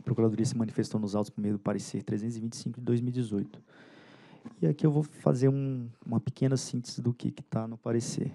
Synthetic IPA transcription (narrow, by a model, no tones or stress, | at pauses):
ɐpɾokuɾad̪oɾiɐsɪmɐ̃nifest̪ownʊzawt̪ʊ̥spõmejʊd̪ʊpaɾeseɾt̪ɾezẽt̪ʊzɪvĩt͡ʃɪ̥sĩŋkʊd͡ʒɪd̪ojzmiuwid͡ʒɪzojt̪ʊ̥ | ɪakiewvowfa̰zeɾũũmɐpɪ̥kẽnɐsĩt̪ezɪd̪ʊkɪ̰kɪ̥t̪anʊpaɾesḛɾ